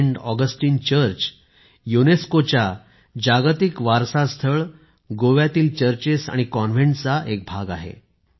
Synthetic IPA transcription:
ɳɖɔɡəsʈiːnt͡ɕəɾt͡ɕ | juneskot͡ɕja | d͡ʑaɡt̪ikʋaɾsast̪ʰəɭ | ɡoʋjat̪iːlt͡ɕəɾt͡ɕesa̰ɽ̃ikɔnʋeɳʈt͡saʔek̚bʱaɡa̰ɦḛ

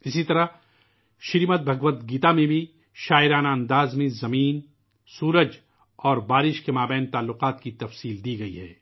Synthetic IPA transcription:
ɪsit̪ɐɾa | ʃɪɾimət̪̚bʱɐɡʋət̪ɡiːt̪amẽbʱi | ʃaːɪɾaːnaɐ̃nd̪aːzmẽzɐmiːn | suːɾəd͡ʒ | ɔːɾbaːɾɪʃkemaːbɛ̃ːnt̪aːlːʊqaːt̪kit̪ɐfsiːld̪iːɡɐiɦɛː

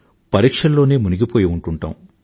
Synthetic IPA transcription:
pɐɾiːkʂɐllːo̞ːneːmuniɡipo̞ːjiuɳʈuɳʈa̰ːm

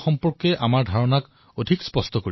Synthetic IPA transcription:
xɔmpɔɹkɛʔamaɹdʱaɹɔnak | odʱikspɔstɔkoɹi

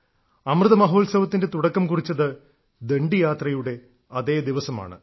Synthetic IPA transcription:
ɐmrɨðɐmɐɦo̞ːlsɐʋɐt̪ːinde̞t̪uɽɐkːɐmkurit͡ɕːɐðɨ | d̪e̞ɳɖijaːt̪rɐjuɽe̞ | ɐðeːd̪iʋɐsɐma̰ːɳɨ̰

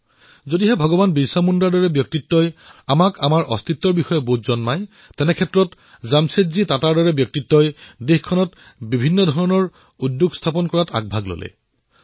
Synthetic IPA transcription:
zodiɦɛbʱɔɡɔbanbisamundaɹdɔɹɛbjɔk̚titːɔjamakamaɹʔɔst̪ʰitːɔɹbixɔjɔbotzɔnmaj | tɛnɛkʰɛtːɹɔt | zamsetzitataɹdɔɹɛbjɔk̚titːɔjdexkʰɔnɔt | bibʱinːɔdʱɔɹɔnɔɹ | udːuɡstʰapɔnkɔɹata̰ɡ̚bʱaɡlo̰lɛ̰

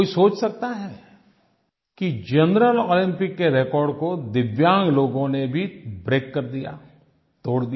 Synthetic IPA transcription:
isoːt͡ʃsɐk̚t̪aɦɛ | kid͡ʒɐnɾəloːlɪ̃mpɪkːeɾekɔːɾɖkod̪ɪʋjãːŋɡloːɡõnebʱibɾeːkːɐɾd̪ija̰ː | t̪oːɽd̪i

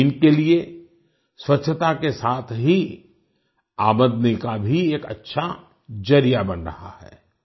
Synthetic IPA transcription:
ɪnkelie | swɐtːʃʰət̪akesaːt̪ʰɦi | aːməd̪nikabʱieːkɐ̰tːʃʰa | d͡ʒɐɾijabɐnɾɐ̰ɦa̰hɛ̰ː

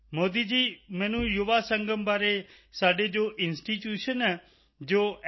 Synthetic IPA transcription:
moːd̪iːd͡ʒiːmɛ̃ːnũːjʊʋaːsəŋɡəmbaːɾeːsaːɖeːd͡ʒoːʔɪnsʈiːʈjuːʃənɛː | d͡ʒoː

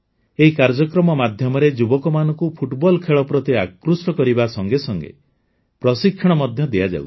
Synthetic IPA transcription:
eɦikaɾd͡ʒɔkɾɔmɔmad̪ʱjɔmɔɾed͡ʒubɔkɔmanɔ̃ŋkupʰuʈbɔlkʰeɭɔpɾɔt̪eakɾusʈɔkɔɾibasɔŋɡesɔŋɡḛ | pɾɔsikʰːɔɽ̃ɔmɔd̪ʱjɔd̪ejad͡ʒa̰w

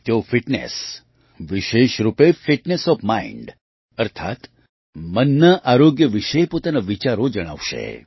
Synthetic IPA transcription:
t̪eofiʈnḛs | ʋiʃeʃɾupefiʈnesɔfmaḭɳɖ | əɾt̪ʰa̰t̪ | mənːəʔaɾoɡjəʋiʃəepot̪anaʋit͡ʃaɾod͡ʒəɽ̃a̰ʋʃḛ

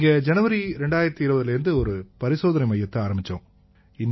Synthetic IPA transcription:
ŋɡɐd͡ʒɛnɐʋɐɾiɾɛɳɖaːjɪɾɐt̪ːiɪɾɯbɐðɪlɪɾɯnd̪ɯɔɾɯpɐɾɪsoːðɐnɐɪmɐjːɐt̪ːɐaːɾɐmbɪt͡ʃːõ̰ː | ɪn

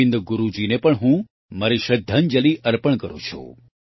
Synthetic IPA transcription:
ɪnd̪ɡʊɾud͡ʒinepəɳɦũ | maɾiʃəd̪ʱːand͡ʒəliəɾpəɳkəɾõ̰t͡ʃʰṵ

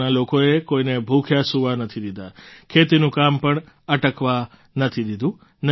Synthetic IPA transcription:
nalokoekoinebʱukʰjasuʋanət̪ʰid̪id̪akʰet̪inũkampəɳ | əʈəkʋa | nət̪ʰid̪id̪ʱũ | n

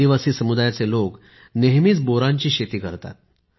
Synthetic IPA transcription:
iʋasiːsəmud̪ajat͡selok | neɦmiːt͡sboɾãɲt͡ɕiːɕet̪iːkəɾt̪a̰t̪̚

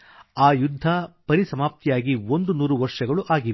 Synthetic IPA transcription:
aːjud̪ʱːɐpɐɾisɐmaːp̚t̪ijaːɡiond̪unuːɾuʋɐɾʂɐɡɐɭuʔaːɡiʋe

